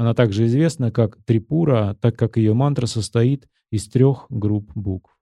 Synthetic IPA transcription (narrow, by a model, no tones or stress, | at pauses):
ɐnat̪aɡʐɨɪzvʲe̞snəkakt̪ɾʲɪpuɾət̪akːakjɪjomant̪ɾəsəst̪ɐit̪ | ɪst̪ɾʲo̞xɡɾupbukf